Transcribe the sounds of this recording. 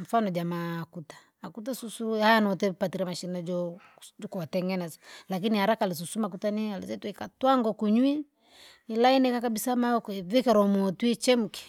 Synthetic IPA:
m̩fanɔd͡ʒamaːkutḁːkutasusuhajanɔtɛpatiɾamaʃinad͡ʒɔ | d͡ʒɔkɔwatɛŋɡɛnɛsḁlak̬inihaɾakalis̬usumak̬utanialɛ̰zɛtikatwaŋɡɔkuɲwi | ilainɛkakabisamaɔkɔvikɛɾɔmɔtwit͡ʃɛmukɛ̥

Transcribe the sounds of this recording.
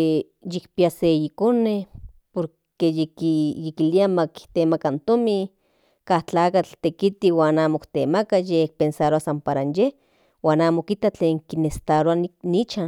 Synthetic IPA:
e | jikpiaseikone | poɾ | kejekijekiliamaki̥t̪emakant̪omi | kaht͡ɬaːkat͡ɬt̪ekit̪iwaːnaːmokt̪emakajek̚pensaɾoasampaɾanjeh | waːnaːmokit̪at͡ɬeːŋkinest̪aɾoanit͡ʃan

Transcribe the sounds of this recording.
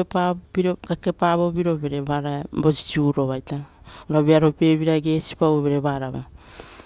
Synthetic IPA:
epapiɾokake̞paβo̞piɾo̞be̞ɾe̞βaɾabo̞si̥t͡ʃiuɾo̞βajtaoɾaβeaɾo̞pe̞βiɾaeɡe̞si̥paoβe̞ɾe̞βaɾaβa

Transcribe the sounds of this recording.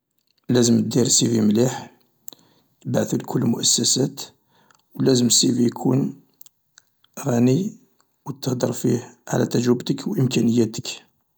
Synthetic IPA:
læzəmd̪iɾsivimliħ | bʕθulkʰʊlːmʊʔæsːæsæt̪ | wlæzəmsivikʰun | ɣæni | wət̪ːəhd̪əɾˤfihʕ̰læ̰t̪æʒɾəbt̪əkwʔəmkænəjːæt̪ək

